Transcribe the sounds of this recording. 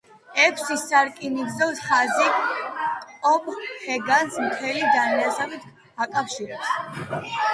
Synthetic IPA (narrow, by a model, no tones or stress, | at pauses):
ɛkʰsisaɾkʼiniɡzɔfsχazi | ɔmhɛɡansmt̪ʰɛlid̪anɛasabit̪ʰ | akʼafʃiɾɛps